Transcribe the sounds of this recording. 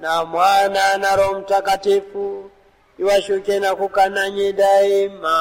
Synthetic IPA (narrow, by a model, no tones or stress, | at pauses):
namwananaɾomutakatifu | iwaʃokenakukanaɲeɗaima